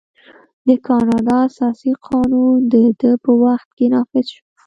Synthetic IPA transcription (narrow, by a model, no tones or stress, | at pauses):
d̪əkʰɑnɑd̪ɑasɑsiqʰɑnund̪əd̪əpəwaxt̪̚kenɑfɪzʃo